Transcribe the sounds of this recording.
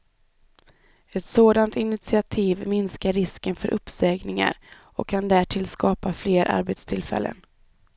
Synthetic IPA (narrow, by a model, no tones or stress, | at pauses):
ɛt̪soːd̪ant̪ɪnɪt̪sɪat̪ʰiːvmɪnskaɾɪskənfœɾʔɵpːsɛːɡnɪŋa̰ɾ | ɔkʰːand̪æʈʰɪlskɑːpafleːɾʔa̰ɾbɛt̪st̪ʰɪlfɛ̰lːə̰n